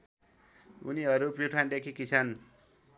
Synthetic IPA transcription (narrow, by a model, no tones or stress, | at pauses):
ṵniɦʌɾupiʈʰand̪ekʰikit͡sʰan